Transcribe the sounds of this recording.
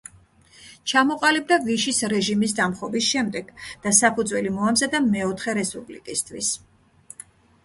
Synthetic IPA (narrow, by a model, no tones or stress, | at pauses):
t͡ʃʰamɔqʼalib̚d̪aviʃisɾɛʒimisd̪amχɔbisʃɛmd̪ɛɡ̥d̪̥asapʰud̪zwɛlimɔamzad̪amɛɔt̪ʰχɛɾɛspʼublḭkʼist̪ʰwḭs